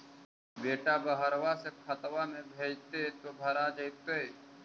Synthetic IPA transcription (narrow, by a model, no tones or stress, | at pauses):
beːʈabəɦəɾʋasepʰət̪ʋamẽbʱeːd͡ʒt̪et̪obʱəɾad͡ʒəjt̪ee